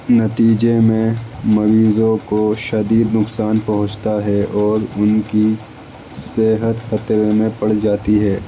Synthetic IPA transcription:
nɐt̪iːd͡ʒemẽmɐɾiːzõkoʃɐd̪iːd̪nʊksaːnpɐɦʊ̃t͡ʃt̪aɦɛʔɔːɾʊnki | seːɦət̪xɐt̪ɾemẽpɐɽd͡ʒaːt̪iɦɛː

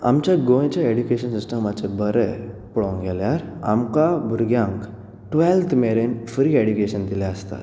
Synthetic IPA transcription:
a̰mt͡ɕjaɡoj̃t͡ɕjaeɖjukeɕənsisʈəmat͡sebəɾɛ | puɭɔ̃ŋɡʱɛljaɾa̰mkabʱuɾɡjãŋk | ʈʋɛlt̪ʰmeɾenfɾiːeɖjukeɕənd̪ilaəst̪a̰t̪

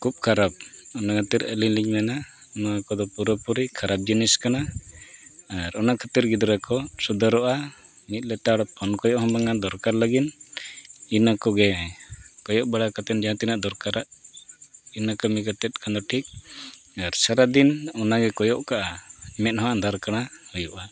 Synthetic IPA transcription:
kʰup̚kʰaɾap̚ɔnakʰat̪iɾə̰liɲliɲmɛna | nakɔd̪ɔpuɾɔpuɾikʰaɾap̚d͡ʒiniskana | aɾɔnakʰat̪iɾɡid̪ɔɾakɔsud̪aɾɔʔa | mit̪̚lɛt̪aɽɔpʰɔnkɔjɔʔhɔmbaŋad̪ɔɾkaɾlaɡin | inakɔɡɛ | kɔjɔʔbaɽakat̪ɛnd͡ʒaãt̪inaʔd̪ɔɾkaɾaʔ | inakɔmikat̪ɛt̪̚kand̪ɔʈʰik̚aɾsaɾad̪inɔnaɡɛkɔjɔʔkaʔamɛt̪̚hɔand̪aɾkanahujuʔa

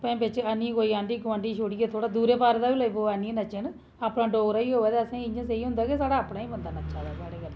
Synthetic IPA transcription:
pɛ̃ːpɪt͡ʃanĩkoːiãːɳɖiːkʋãːɳɖiːʃoːɽiːet̪ʰoːɽaːd̪uːɾeːpaːɾd̪aːʋiləiboaːnĩnət͡ʃen | aːpnaːɖoːɾaːiːɦoːʋɛːt̪eːəsãːɪɲãːs̬eiɦʊ̃nd̪aːkesaːɽaːpɳaːĩːbənd̪aːnət͡ʃãːd̪aːsaːɽeːɡəl

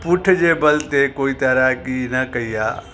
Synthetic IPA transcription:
pʊʈʰd͡ʒebɐlt̪ekoːit̪ɐɾakinɐkɐija̰ː

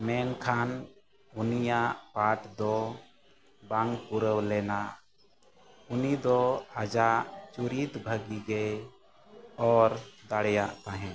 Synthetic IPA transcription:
mɛnkʰan | unijaʔpaʈd̪ɔ | baŋɡpuɾəwlɛna | unid̪ɔad͡ʒaʔt͡ʃuɾit̪bʱəɡiɡɛj | ɔɾd̪aɽjaʔt̪aɦɛ̃

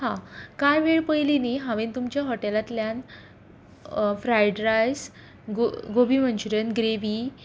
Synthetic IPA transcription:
hãkajʋeɭpəjliniɦãʋent̪umt͡ɕjaɦɔʈelat̪ljan | fɾajɖɾajs | ɡoɡobim̤əɳt͡ɕɾənɡɾeʋi

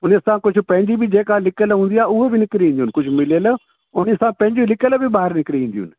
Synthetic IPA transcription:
ʊneɐsãkʊd͡ʒʱʊ̆pɐ̃ɦɪ̃ɲd͡ʑibid͡ʑeːkalɪkəlɦũːnd̪iaːʊɦebɪnɪkɾiĩːnd̪iunɪkʊd͡ʒʱmɪleːlə | ʊneɐsãpɐ̃ɦɪ̃d͡ʑilɪkəlbʱɪbaːɦɪɾnɪkɾiĩːnd̪ijʊ̰nɪ

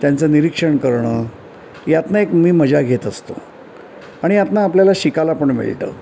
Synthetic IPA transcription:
t̪jant͡səniɾikʂəɳkəɾɳəː | jat̪naekmiːməd͡ʑaɡʱet̪əst̪o̰ | aɽ̃ijat̪naːpljalaɕikalapəɳmḭɭʈə̰ː

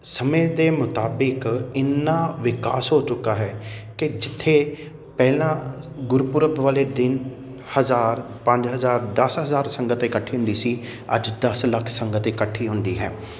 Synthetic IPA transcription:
səmẽːd̪eːmʊt̪aːbɪkɪnːãːʋɪkaːsɦoːt͡ʃʊkːaːɦɛːkɪd͡ʒɪt̪ʰːeː | pɛːlãː | ɡʊɾpʊɾəbʋaːleːd̪ɪn | həzaːɾ | pə̃ɲd͡ʒɦəzaːɾd̪əsɦəzaːɾsəŋɡət̪ɪkəʈʰːiːɦʊ̃nd̪iːsiː | ə̰d͡ʒd̪əsləkʰsəŋɡət̪ɪkəʈʰːiːɦʊ̃nd̪iːɦɛː

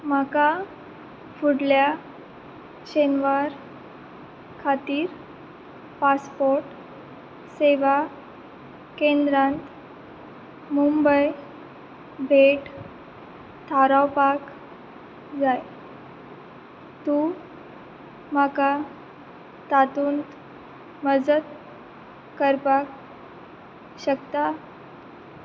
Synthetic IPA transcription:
maka | fuɽlja | ɕenʋaɾ | kʰat̪iːɾ | paspɔɾʈ | seʋa | kẽnd̪ɾãnt̪ | mumbəj | bʱeʈ | t̪ʰaɾawpak | d͡zaj | t̪u | maka | t̪at̪uːnt̪ | məd͡zət̪ | kəɾpak | ɕəkt̪a

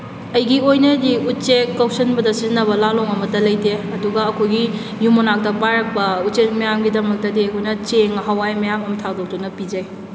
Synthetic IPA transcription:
ɐjɡiojnɐdiutt͡ʃekːawsɐnbɐdɐsizinːɐβɐlaloŋɐmɐdɐlɐjdeɐduɡɐːkʰojɡi | jumonak̚tɐpajɾɐk̚pɐut͡ʃet̚mɐjamɡidɐmɐk̚tɐdiɐjkʰojnɐt͡ʃeŋɐɦawajmɐjamɐmtʰadok̚tunɐpid͡ʒɐj

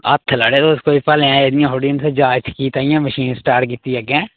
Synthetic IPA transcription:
ə̰t̪ʰːləɽeːt̪oɪskoːipəlɛ̃ed̪ɪjãːɦoɖiənsed͡ʒaːt͡ʃʰkiːt̪aːijãːməʃiːnsʈaːɾkiːt̪iɛɡɛ̃ː

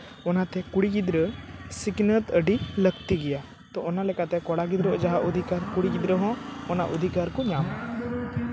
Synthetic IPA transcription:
ɔnat̪ɛkuɽiɡid̪ɾəsiknət̪əɖiləkt̪iɡɛja | t̪ɔɔnalɛkat̪ɛkɔɽaɡid̪ɾɔʔd͡ʒaɦaʔud̪ʱikaɾkuɽiɡid̪ɾəɦɔ̃ɔnaʔɔd̪ʱikaɾkɔɲama

